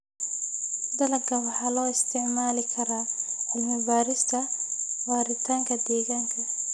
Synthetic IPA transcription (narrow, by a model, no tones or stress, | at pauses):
d̪ɐlɐɡʰɐwɑħɑːlɔːɪst̪ʰɪʕmaːlɪkʰɐɾaːħɪlmɪbaːɾɪst̪ʰɐwaːɾɪt̪ʰaːŋkʰɐd̪ɛːɣaːŋkʰɐ